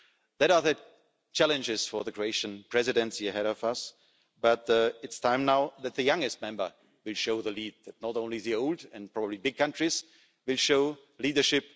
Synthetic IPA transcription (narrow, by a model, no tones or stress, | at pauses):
ðəɾaðɨ | t͡ʃælɨ̃nd͡ʒɪz̥fɔ˞ðɨkʰɹoeɪʃɨ̃npʰɹ̥ɛzɪdɛ̃nsiɨɦɛɾɔvʌs | b̥ʌtɪtstʰãɪ̃mnaʊðɨt̪̚ðɨjʌ̃ŋɡɨst̚mɛ̃mbə˞ | wɪlˠʃoʊðəliːd̚ðɨtⁿnɔtõʊ̃nliðioʊlˠdɛ̃npʰɹ̥ɔbəblibɪɡ̚kʰʌ̃ntɹ̥iz | wɪlˠʃoʊ | liːdə˞ʃɪp̚